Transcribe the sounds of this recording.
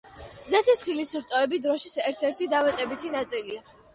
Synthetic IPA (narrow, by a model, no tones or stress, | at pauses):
zɛt̪ʰisχilisɾt̪ʼɔɛbid̪ɾɔʃisɛɾt̪ʰɛɾt̪ʰid̪avɛt̪ʼɛbit̪ʰinat̪sʼilia